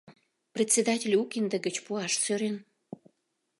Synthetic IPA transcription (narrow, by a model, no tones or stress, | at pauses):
prʲet̪ʲt͡sʲed̪ɑtʲelʲukind̪əɡət͡ɕpuɑʃsøɾen